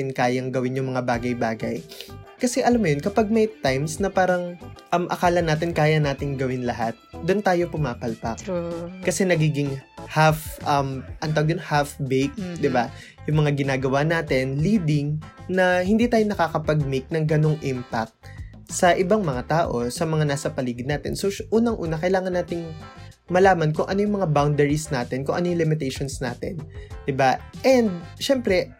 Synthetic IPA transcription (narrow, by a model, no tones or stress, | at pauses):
ɪnkaːjɐŋɡɐwɪnjʊŋmɐŋabaːɡɐjbaːɡɐj | kɐsɛʔɐlamːʊjonkɐpaɡ̚mɐjt̪ajmsnɐpaːɾɐŋʔɐmʔɐ̰kaːlɐnaːt̪ɪnkaːjɐnaːt̪ɪŋɡɐwɪnlɐɦat̪̚d̪ʊnt̪aːjo̞pʊmaːpɐlpɐkkɐsɛnɐɡiːɡɪŋhafʔɐmʔɐnt̪ɐwɡd̪onhafbɛjk̚d̪ɪba | jʊŋmɐŋaɡɪnaːɡɐwanaːt̪ɪnliːd̪ɪŋnɐhɪnd̪iːt̪aːjonɐkaːkɐpɐɡ̚mɪk̚nɐŋɡɐnoŋʔɪmpak̚t̪̚ | sɐʔɪbaŋmɐŋat̪aːʔo̞sɐmɐŋanaːsɐpɐliːɡɪnaːt̪ɪ̰nsoʔuːnɐŋʔuːnɐkɐjlaːŋɐnːaːt̪ɪŋ | mɐlaːmɐnkʊŋʔɐnojʊŋmɐŋabawnd̪ɛɹisnaːt̪ɪnkʊŋʔɐnojʊŋlɪmɪt̪ejʃonsna̰ːt̪ɪ̰nd̪̥ɪbaʔɛnd̪̚ʃɛmpɾɛ